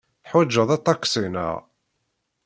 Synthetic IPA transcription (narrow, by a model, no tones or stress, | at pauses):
θħwæd͡ʒːəðˤɑt̪ˤːɑkːsinə̰ʁ